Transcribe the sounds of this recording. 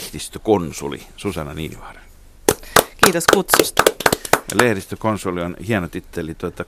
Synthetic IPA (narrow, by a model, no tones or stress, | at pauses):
hd̥ist̪økonsṵlḭsusɑnɑnḭːnḭʋɑˑrɑ̥n | kiːt̪oskut̪sust̪ɑlehdist̪økonsulionhiænot̪yt̪ːelit̪uot̪ːɑ